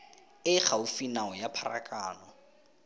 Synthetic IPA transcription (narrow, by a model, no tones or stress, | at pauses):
ɪχaʊfinaɔjapʰara̰kʼaːnɔ